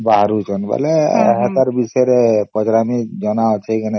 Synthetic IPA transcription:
baɦɾut͡ʃʰɔnba̰lɛɛ̰ɦat̪aɾbisɔɾɛpɔd͡ʒɾamid͡ʒɔnaɔt͡ʃʰejkʰane

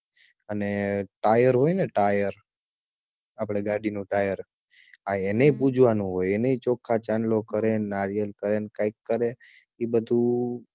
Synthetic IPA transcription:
əneʈajəɾɦojneʈajəɾ | apɽ̃eɡaɽinũʈajəɾ | aeneipud͡ʒʱʋanũɦojeneit͡ʃokʰːat͡ʃanlokəɾenaɾijəlkəɾenkaikːəɾe | ibəd̪ʱu

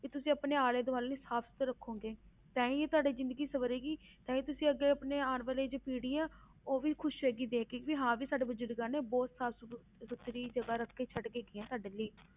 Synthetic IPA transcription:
ket̪ʊsĩːəpneːaːleːd̪oaːlːneːsaːpsʊ̥t̪ɾəkʰːõːɡeː | t̪ãːĩːeːt̪ʊaːɖeːzɪ̃nd̪əɡiːsəʋəɾeːɡiːt̪ãːĩːt̪ʊsĩːəɡeːəpneːaːnʋəleːd͡ʒeːpiːɽiːɛː | oːʋiːkʰʊʃʋeːɡiːd̪eːkekʋiːɦãːʋiːsaːɖeːbəd͡ʒʊɾɡãːneːbɔːt̪saːps | sʊt̪ːɾiːd͡ʒəɡaːɾəkʰːeːt͡ʃʰəʈɡeːɡɪãːt̪aːɖeːliː

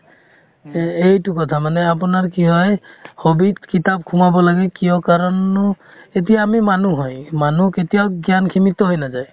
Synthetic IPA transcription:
ejtukɔt̪ʰamanɛap̬unaɹkiɦɔjhobid̪kitab̚kʰumabɔlaɡɛkijɔkaɹɔnːɔ | et̬ijaːmimanuɦɔjmanuketijawɡjankʰimit̪ɔɦojnazaj

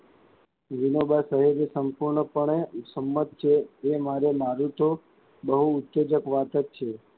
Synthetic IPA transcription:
ʋinobasəɦeɾesəmpuɾɳəpəɳesəmːət̪̚t͡ʃʰeemaɾemaɾut̪o | bəɦuːt̪ːed͡ʒəkʋat̪ət̪̚t͡ʃʰe

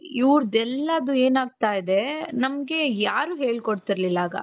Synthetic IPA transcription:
iʋɾd̪ɛlːɐd̪ueːnaːɡ̚t̪aːjd̪e̞nɐmɡe̞jaːɾuːɦe̞ːɭkoɽt̪iɾlilːaːɡɐ̰

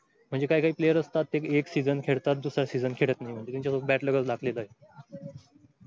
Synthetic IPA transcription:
m̤əɳd͡zekaikaɦiːplejəɾəst̪at̪ːekeksid͡zənkʰeɽt̪at̪̚d̪usɾasid͡zənkʰeɽət̪naɦim̤əɳd͡ʑet̪aɲt͡ɕasobæʈləɡət͡slakleləaɦe

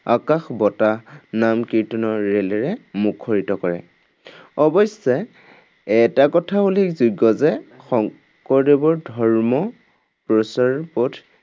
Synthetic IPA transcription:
a̰kaxbɔtanamkitɔnɔɹːelɛɹɛmukʰːɔɹitɔkɔɹɛ̰ | ɔbɔjsɛ | ɛtakɔtʰabulikzuɡːɔzɛxɔŋ | kɔɹdebɔɹdʱɔɹmɔ | pɹɔsaɹpɔd

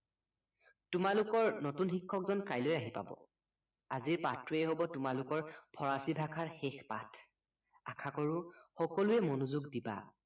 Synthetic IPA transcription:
tʊmalukɔɹnotunxikʰːɔkzɔnkajlojaɦipa̰bɔ̰ | aziɹpatʰɹuɛɦobɔtʊmalʊkɔɹpʰɔɹasibʱakʰaɹxexpa̰tʰ | a̰kʰakɔɹʊxɔkɔlʊɛmonuzuɡdiba̰

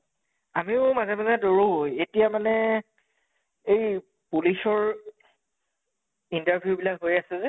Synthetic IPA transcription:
amiʊmazɛmazɛdoɹoɦojetijamanɛ | ej | pulisɔɹ | intaɹbʱijubilakɦojasɛzɛ

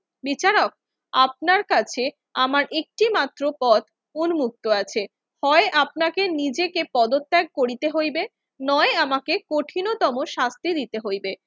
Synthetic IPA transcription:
bit͡ɕaɾok̚ | ap̚naɾkat͡ɕʰe | amaɾʔek̚ʈimat̪ːɾopɔt̪ | unumuk̚t̪oat͡ɕʰe | hɔeʔap̚nakenid͡ʑekepɔd̪ot̪ːɛɡ̚koɾit̪eɦojbe | nɔeamakekoʈʰinot̪ɔmoʃast̪id̪it̪eɦojbe

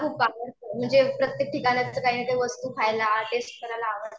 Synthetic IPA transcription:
kʰuːpːakəɾt̪əm̤əɳd͡zepɾət̪jek̚ʈikanjat͡səkaiːnet̪eʋəst̪uːfʰajlaʈesʈ̚kəɾajlaːʋə

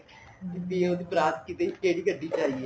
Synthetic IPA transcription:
t̪et̪ĩoːd̪iːpɾaːt̪kit̪eːikeːɽiːɡəɖːiːd͡ʒaːie

